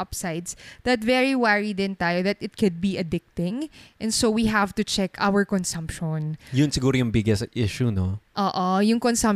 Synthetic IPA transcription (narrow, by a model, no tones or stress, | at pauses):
ɐpsaɪd̪sd̪̥ɐt̪vɛɹiwaɹid̪ɪ̃nt̪aːjoðɐt̪ɪt̪̚kʰʊd̪̚biʔɐd̪ɪk̚t̪ɪ̃ŋʔɛ̃nsowiɦævt̪ʊt͡ʃɛkʰa̰wəɹkɔnsɐ̃mpʃɔnjʊnsɪɡuːɾojʊŋbɪɡɛsʔɪʃunoʔoːʔojʊŋkɔnsɐ̃m